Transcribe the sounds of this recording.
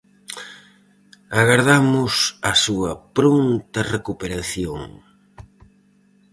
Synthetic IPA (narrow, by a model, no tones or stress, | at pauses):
aɣaɾðamʊsɐsuɐpɾont̪ɐrekupeɾaθjoŋ